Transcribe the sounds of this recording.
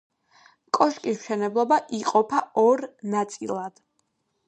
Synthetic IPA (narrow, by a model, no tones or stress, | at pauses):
kʼɔʃkʼismʃɛnɛblˠɔbaʔiqʼɔpʰaɔɾnat̪sʼilˠad̪̥